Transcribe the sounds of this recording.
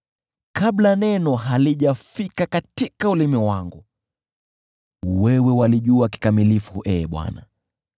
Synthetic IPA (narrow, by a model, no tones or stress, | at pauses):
kaɓlanɛnɔɦaliʄafikakatikaulimiwaŋɡu | wɛwɛwaliʄuaki̥kamilifuʔɛɓwa̰na̰